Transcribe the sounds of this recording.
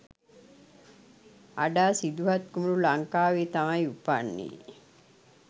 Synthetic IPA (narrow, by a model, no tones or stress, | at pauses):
aɖaːsid̪uɦɐt̪̚kumuɾulaŋkaːʋiːt̪amajupanːḭː